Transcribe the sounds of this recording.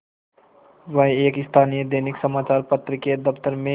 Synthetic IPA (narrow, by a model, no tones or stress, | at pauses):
ʋəɦeːkɪst̪ʰaːnijəd̪eːnɪksəmaːt͡ʃaːɾpət̪ɾəked̪əpt̪əɾmẽ